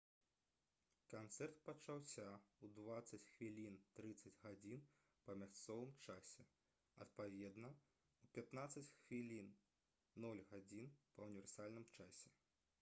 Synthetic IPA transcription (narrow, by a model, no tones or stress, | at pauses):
kant̪sɛrt̪̚pɐt͡ʂawsʲaud̪vat̪sɐt͡sʲxvʲilʲint̪ɾɨt̪sɐd͡zʲɣad͡zʲin | pɐmʲast̪sɔvɨmt͡ʂasʲɛ | ɐ̰t̪̚pavʲɛd̪nɐ | upʲat̪nat̪sːɐt͡sʲxvʲilʲinː | ɔlʲɣad͡zʲinpɐunʲivʲɛrsalʲnɨmt͡ʂasʲɛ